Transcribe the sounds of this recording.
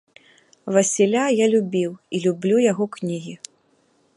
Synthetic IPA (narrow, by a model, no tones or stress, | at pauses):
vasʲilʲajalʲubʲiwilʲublʲujaɣɔknʲiɣʲi